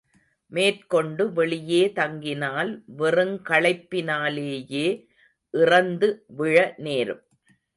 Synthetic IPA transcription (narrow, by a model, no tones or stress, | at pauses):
meːrkɔɳɖɯʋɛɭɪjeːt̪ɐŋɡɪnaːlʋɛrɯŋkɐɭɐɪpːɪnaːleːjeː | ʔɪrɐnd̪ɯʋɪɻɐneːɾɯm